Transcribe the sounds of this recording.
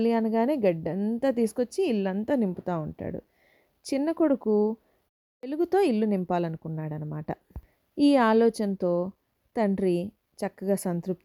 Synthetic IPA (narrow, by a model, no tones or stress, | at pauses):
lijaːnɐɡaːneːɡɐɖːɐnt̪aːt̪̬iːsu̥kot͡ʃːiːlːɐnt̪aːnimpit̪aːuɳʈa̰ːɽṵ | t͡ʃinːɐkoɽuku | t̪e̞luɡut̪o̞ːilːunimpaːlɐnukunːaːɽɐnɐma̰ːʈɐ | iːaːlɔːt͡ʃɐnt̪o̞ː | t̪ɐɳɖɾi | t͡ʃɐkːɐɡaːsɐnt̪ɾup̪̚